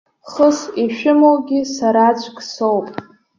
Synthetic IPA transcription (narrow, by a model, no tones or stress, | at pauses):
χəsiʃᶣɪmowɡʲisaɾat͡ɕʷʰkʼsowpʼ